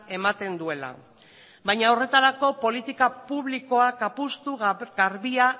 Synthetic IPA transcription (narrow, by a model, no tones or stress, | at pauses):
e̞mat̪e̞nd̪ue̞la̰ | bajɲaore̞t̪aɾako̞po̞lit̪ikapuβliko̞akapust̪uɣɣaɾβia